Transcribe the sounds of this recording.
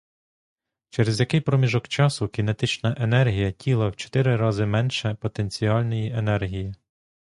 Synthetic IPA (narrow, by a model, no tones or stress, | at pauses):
t͡ʃɛɾezʲjɐkɪjpɾɔmʲiʒɔkt͡ʃɑsʊkʲinet̪ɪt͡ʃnɐʔenɛrɦʲijɐtʲʰilˠɐwt͡ʃɔ̥t̪ɪɾɪɾɑzɪmɛnʃɛpɔt̪e̞nʲt͡sʲiɑlʲnɔjiʔenɛrɦʲiji